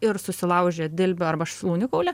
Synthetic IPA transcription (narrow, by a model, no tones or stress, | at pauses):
ɪɾsʊsʲɪlˠɐʊʒʲeːd̪ʲɪlʲbʲʊɐɾbɐʃslˠuːnʲɪkɐʊlʲɛ